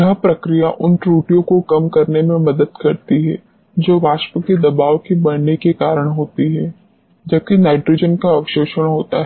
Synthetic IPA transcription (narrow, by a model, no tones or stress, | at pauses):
jɐɦpɾɐkɾijaʔʊnʈɾuːʈijõkokɐmkɐɾnemẽmɐd̪əd̪kɐɾt̪iɦɛː | d͡ʒoːʋaːʃpəked̪ɐbaːʋkibɐɽnekekaːɾəɽ̃ɦoːt̪iɦɛː | d͡ʒɐb̚kinaːɪɖɾoːd͡ʒənkaɐʋʃoːʃəɽ̃ɦoːt̪aɦɛ